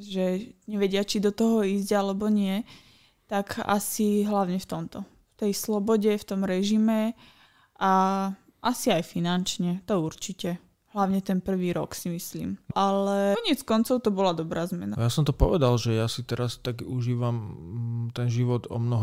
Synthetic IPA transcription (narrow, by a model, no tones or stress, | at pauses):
ʒɛɲɛʋɛɟɪat͡ʃid̪ɔt̪ɔɦɔizɟalɛbɔɲɪɛ | t̪aka̰siɦlaʊɲɛft̪ɔmt̪ɔ | ft̪ɛjslɔbɔɟɛft̪ɔmɾɛʒimɛ | a | ʔasiajfinant͡ʃɲɛt̪ɔuɾt͡ʃicɛ | ɦlaʊɲɛt̪ɛnpr̩ʋiːɾɔksimislḭːmʔalɛɲɪɛt͡skɔnt͡sɔʊt̪ɔbɔlad̪ɔbɾaːzmɛ̰najasɔmt̪ɔpɔʋɛd̪alʒɛjasit̪ɛɾast̪akuʒiːʋam | t̪ɛnʒiʋɔd̪ɔ̰mnɔɦɔ